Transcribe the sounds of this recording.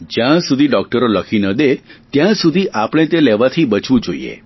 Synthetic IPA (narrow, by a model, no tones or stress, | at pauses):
d͡ʒjãsud̪ʱiɖɔk̚ʈəɾoləkʰinəd̪et̪jãsud̪ʱiʔapəɽ̃et̪eleʋat̪ʰibət͡ʃʋũd͡ʒoḭḛ